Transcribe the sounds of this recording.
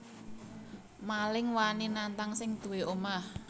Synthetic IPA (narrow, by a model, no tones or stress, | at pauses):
malɪŋwaninant̪aŋsɪŋd̪̥ṳweʔomah